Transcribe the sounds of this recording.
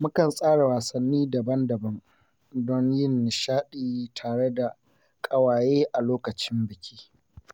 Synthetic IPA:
mʊ˦kɐ˨nsʼaː˦ɽa˨waː˨sɐ˨nːiː˦dɐ˨bɐ˦ndɐ˨bɐ˦ŋ | dɔ˦ɲjɪ˦nːɪ˨ʃaː˦ɗiː˨tʰaː˨ɽe˦da˨ | kʼɐ˨waː˨jeː˦ʔa˨loː˦kɐ˨t͡ʃɪ˦mbɪ˨kʲi̥ː˦

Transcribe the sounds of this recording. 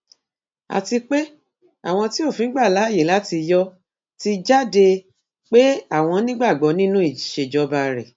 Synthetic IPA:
a̰˨ti˧k͡pe˦ | a̰˦˨w̃ɔ̃˧ti˦o˦˨fĩ˨˦ɡ͡ba˦˨la˨˦˨jĩ˨˦la˨˦ti˧jɔ˦ | ti˧d͡ʒa˦de˧ | k͡pe˦a˦˨w̃ɔ̃˧nĩ˦ɡ͡ba˦˨ɡ͡bɔ˨˦nĩ˦nũ˦i˦˨ʃe˧˨d͡ʒɔ˨˧ba˧ɾɛ̰˨

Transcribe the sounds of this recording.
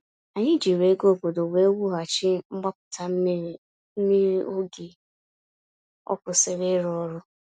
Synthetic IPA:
a˨ɲɪ˦d͡ʒi˨ɾe˨˦ɡo˦˨ɡo˨do˨we˦wu˦ɦa˨t͡ʃɪ˦ŋ͡m̩˦ɡ͡ba˦kʊ̥˨ta˨m̩˦ | mi˦ɾi˦ʔo˦ɡi˨ | ɔ̰˦kʊ˨sɪ˨ɾe˦ɾɔ˦ɾʊ˦

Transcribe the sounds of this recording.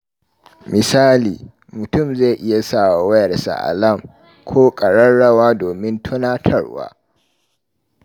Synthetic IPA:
mʔɪ˨saː˦liː˨ | mʊ˨tʊ˦˨mza˦˨ʔɪ˦ja˨saː˦˨wa˨wɐ˦jɐ˨rsa̰˨ʔa̰˨lɐ˦˨ŋ | kʷʰoː˦kʼɐ˨ɽɐ˦ɽɐ˦waː˦doː˨mɪ˦ntʰʊ˦naː˦tʰɐ˦ɽwa̰ː˦

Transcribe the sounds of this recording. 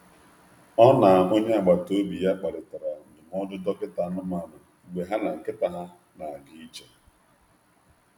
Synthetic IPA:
ɔ˦na˨o˦ɲe˦a˨ɡ͡ba˨to˦bi˨ja˦k͡pa˨lɪ˨ta˨ɾa˨n̩˨dɪ˨m˦ɔ˦dʊ˦dɔ˦kɪ˦ta˨˦nʊ˦ma˦˨nʊ˨ɡ͡be˨ɦa˦na˨ŋ̩˨kɪ˦ta˨ɦa˦ | na˨a˨ɡi˨˦i˦t͡ʃe˦

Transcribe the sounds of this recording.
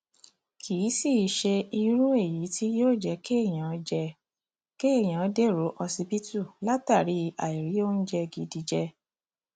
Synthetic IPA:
kʰi˨˦si˦˨ʃe˧i˧ɾũ˦e˦˨ji˨˦ti˦joː˦˨d͡ʒɛ˧ke˦˨j̃ã˨˦d͡ʒɛ˧ | ke˦e˦˨j̃ã˨˦de˦ɾo˨˦ʔɔ˧si˧bi˦tu˦˨la˦ta˦˨ɾi˨˦a˨i˨ɾi˨˦o˦n̩˦d͡ʒɛ˧ɡi˧di˧d͡ʒɛ˧

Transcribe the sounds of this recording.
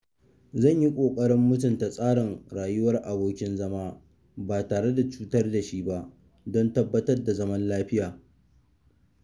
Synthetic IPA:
zɐ˦˨ɲji˦kʷʼoː˨kʼɐ˦ɽɪ˦mːʊ˦t̬ʊ˨nta˨sʼaː˦ɽɪ˨ŋɽaː˨jʊ˦wɐ˦rʔa˨boː˦kʲɪ˦nzɐ˦maː˦ | baː˨taː˨ɽe˦da˨t͡ʃuː˦tɐ˦rda˨ʃi˦ba˦ʔ | dɔ˦ntɐ˦bːɐ˦tɐ˦rda˨zɐ˦mɐ˦nlaː˦ɸɪ˦jaː˨

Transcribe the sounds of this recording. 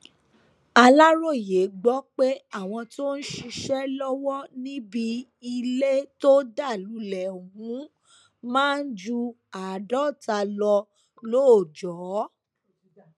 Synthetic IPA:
a˧la˦ɾo˦˨je˨˦ɡ͡bɔ˨˦k͡pe˦a˦˨w̃ɔ̃˧to˦n̩˦ʃi˧ʃɛ˦lɔ˦wɔ˦nĩ˦bi˧ | i˧le˦to˦da˦˨lu˨˦lɛ˨o˨ɦũ˨˦ | mãː˦n̩˦d͡ʒu˧ | a˨dɔ˦˨ta˧lɔ˧ | lo˦o˨d͡ʒɔ˨˦

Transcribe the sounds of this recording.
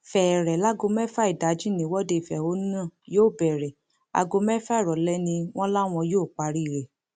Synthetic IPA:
fɛ˨ɾɛ˨la˦ɡo˧mɛ˦fa˦i˨da˨˦d͡ʒĩ˦nĩ˨˦wɔ˦de˧i˨fɛ˨o˨˦n˦nã˦˨joː˦˨bɛ˨ɾɛ˨ | a̰˧ɡo˧mɛ˦fa˦i˦˨ɾɔ˨lɛ˦nĩ˧w̃ɔ̃˦la˦w̃ɔ̃˧joː˦˨k͡pa˧˦ɾi˦˨ɾɛ˨

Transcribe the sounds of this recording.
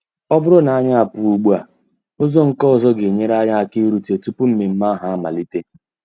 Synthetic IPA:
ɔ˦bʊ˦ɾʊ˦na˨a˦ɲa˦a˨pʊ˨u˨ɡ͡bu˦a˨ | ʊ˦zɔ˦ŋ̩˨kɔ˦ɔ˨zɔ˦ɡe˨ɲe˦ɾa˦ɲa˦a˨ki˦ɾu˨te˨tu˦pu˦m̩˦me˨m̩˦ma˦a˦ɦa˨˦a˦ma̰˨li˦te˦

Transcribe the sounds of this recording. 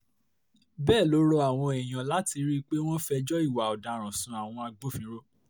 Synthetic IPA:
bɛː˦˨lo˨˦ɾo˧˦a˨w̃ɔ̃˧ɛ˨j̃ã˨la˨˦ti˧ɾi˦k͡pe˦w̃ɔ̃˦fɛ˧d͡ʒɔ˦i˦˨wa˨ɔ˨da˨ɾ̃ɔ̃˨sũ˨˦a˨w̃ɔ̃˧a˧ɡ͡bo˦fĩ˨˦ɾo˦˨

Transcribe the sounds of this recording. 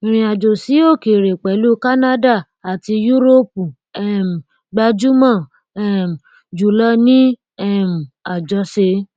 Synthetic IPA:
i˨ɾ̃ĩ˨a˨d͡ʒo˨si˨˦o˦˨ke˨ɾe˨k͡pɛ˨˦lu˦ka˦nã˦da˦˨ | a˨ti˧ju˦ɾo˦pu˨ | ɛ˦˨m˨ | ɡ͡ba˧d͡ʒu˦mã˦˨ | ɛ˦m˨ | d͡ʒu˨˦lɔ˦nĩ˦ | ɛ˦˨m̩˨a˨d͡ʒɔ˧˦se˧˦

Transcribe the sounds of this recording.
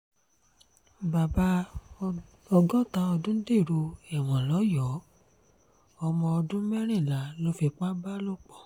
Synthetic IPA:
ba˨ba˧˦ | ɔ˧ɡɔ˦ta˧ɔ˧dũ˦n˦de˦˨ɾo˧ɛ˨w̃ɔ̃˨lɔ˨˦jɔ˨˦ | ɔ˧mɔ̃˧ɔ˧dũ˦mɛ˦ɾ̃ĩ˦˨la˨˦lo˦fi˧k͡pa˦ba˦lo˦k͡pɔ˦˨

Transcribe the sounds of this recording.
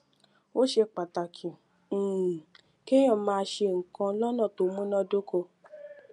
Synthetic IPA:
wo˦ʃe˧k͡pa˨ta˨kʰĩ˨ | ke˦j̃ɔ̃˦˨mãː˧ʃe˧ŋ̩˨kã˧lɔ̃˦nã˦˨to˨˦mũ˦nɔ̃˦do˦ko˧

